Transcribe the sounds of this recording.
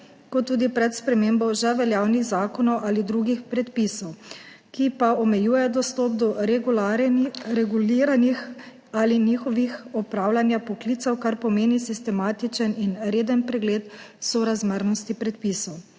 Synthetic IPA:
kɔt̪ːuːd̪ipɾɛt̪spɾɛmeːmbɔʒɛʋɛljaːwniɣzaːkɔnɔwʔalid̪ɾuːɡixpɾɛt̪pisɔw | kipaɔmɛjuːjɛd̪ɔst̪ɔːp̚d̪ɔaɾɛɡuliɾanix | aliniːxɔʋixɔpɾaːwlanjapɔkliːt̪sɔwkaɾpɔmeːnisist̪ɛmaːt̪it͡ʃəninɾeːd̪ənpɾɛɡleːt̪sɔɾazməɾnɔst̪ipɾɛt̪̚pisɔw

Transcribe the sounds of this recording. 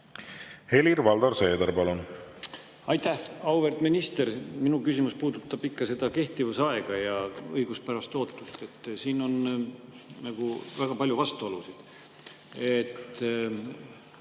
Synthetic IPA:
he̞liɾvɑld̪ɑɾse̞ːd̪ɑɾpɑlun | ɑjt̪ːæhɑwverd̪̥minist̪e̞ɾminukysʲimuspuːd̪̥ut̪ːˑɑb̥ikːɑse̞d̪ɑke̞ht̪ivusɑeɡ̥ɑjɑɤjɡ̥uspæɾɑst̪o̞ːt̪ːˑust̪e̞t̪ːˑsiːno̞n | nɑɡ̥uvæɡ̥ɑpɑlʲjuvɑst̪uolusid̪̥ | et̪ː

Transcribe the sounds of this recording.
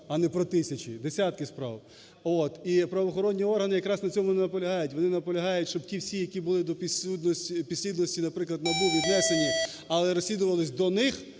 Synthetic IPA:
ɐnɛpɾɔt̪ɪsʲɐt͡ʃid̪esʲat̪̚kɪspɾɑ̰w | ot̪ipɾɐʋɔxɔɾɔnʲːiɔrɦɐnɪjɐkɾɑsnɐt͡sʲɔmʊnɛnɐpɔlʲɐɦɑjʊtʲʋɔnɪnɐpɔlʲɐɦɑjʊtʲʃt͡ʃɔb̚tʲiwsʲijɐkʲibʊlˠɪd̪ɔpʲisʲud̪nɔsʲtʲipʲisʲlʲid̪nɔsʲtʲinɐpɾɪklˠɐd̪mɐbuʋʲid̪nɛsenʲi | ɐlˠɛɾɔsʲlʲid̪ʊʋɐlˠɪsʲd̪ɔnɪx

